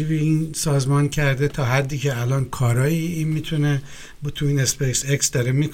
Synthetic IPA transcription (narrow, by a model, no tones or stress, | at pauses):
ibiinsɒːzmɒncʰæɾd̪et̪ʰɒːɦæd̪ːiːcʰeælɒːnkʰɒːɾɒːiːinmiːt̪ʰune | bt̪ʰuinespeseksd̪ɒɾemik